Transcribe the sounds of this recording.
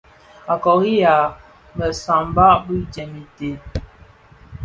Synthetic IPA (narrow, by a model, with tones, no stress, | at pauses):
a˨kɔ˨ɣi˦ja˨ | mə˨sa˨mba˦ʔbi˦d͡ʒɛ˨mi˨te˨